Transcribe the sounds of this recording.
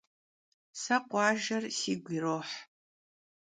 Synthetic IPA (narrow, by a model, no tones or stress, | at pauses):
sɐqʷʼɑːʒɐrsiːɡʷiroħ